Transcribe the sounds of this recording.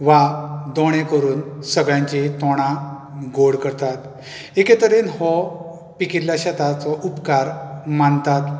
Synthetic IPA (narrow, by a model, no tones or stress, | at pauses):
ʋad̪ɔɽ̃ekəɾuːnsəɡɭjãɲt͡ɕit̪ɔɽ̃ãɡoɽkəɾt̪at̪ | eket̪əɾinhɔ | pikiɾlaɕat̪at͡sɔʔupkaɾmant̪at̪